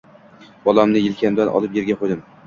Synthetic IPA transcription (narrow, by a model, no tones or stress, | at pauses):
b̥ɒlamnɪjɪlkʲʰamd̪anʔɒ̰lˠɪpjeɾɡʲaqʰojd̪ɪm